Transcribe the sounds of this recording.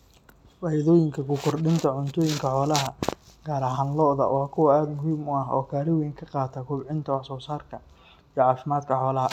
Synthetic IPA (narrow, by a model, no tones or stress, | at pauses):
faːjɛðɔːjɪŋkʰɐkʰʊkʰɔrɖɪnt̪ʰɐʕʊnt̪ʰɔːjɪŋkʰɐħɔːlɐɦɐɡ̥aːɾɐɦaːnlɔːðɐ̰wʔɑːkʰʊwɐaːd̪mʊɦiːmʊɐɦɔ̰ːkʰaːlɪwɛːŋkʰɐqɑːt̪ʰɐkʰʊbʕɪnt̪ʰɐwɑħsɔːsaːrkʰɐ | ijʕɑːfɪmaːd̪kʰɐħɔːlɐɦɐ